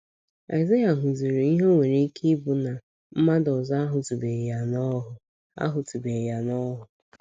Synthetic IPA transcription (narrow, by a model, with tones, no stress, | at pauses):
a̰˨ɪ˨za˦ja˨ɦʊ˨zi˨ɾe˨i˦ɦo˦ŋʷe˨ɾe˦i˦ki˦bʊ˨na˨ | m̩˦ma˦dɔ˨za˦a˦ɦʊ˨ti˨be˨ja˨nɔ˦ɦʊ˨ | a̰˦ɦʊ˨ti˨be˨ja˨nɔ˦ɦʊ˨